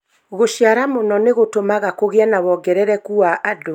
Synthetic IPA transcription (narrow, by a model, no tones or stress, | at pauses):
ɣoɕjaɾamonɔneɣotomaɣakoɣeanaβɔɡɛɾɛɾɛkuaʔado